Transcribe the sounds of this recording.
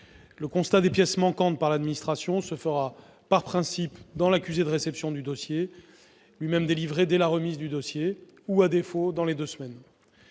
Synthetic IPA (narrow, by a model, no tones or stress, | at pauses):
ləkɔ̃st̪ad̪epjɛsmɑ̃kɑ̃t̪̚paʁlad̪minist̪χasjɔ̃səfəʁa | paʁpχɛ̃sipd̪ɑ̃lakʲyzed̪əʁesɛpsjɔ̃d̪yd̪ɔsje | lɥimɛmd̪elivʁed̪ɛlaʁəmizd̪yd̪ɔsje | uad̪efod̪ɑ̃led̪øsmɛn